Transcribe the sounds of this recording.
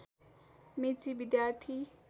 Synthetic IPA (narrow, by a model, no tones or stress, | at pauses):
met͡sibid̪jart̪ʰi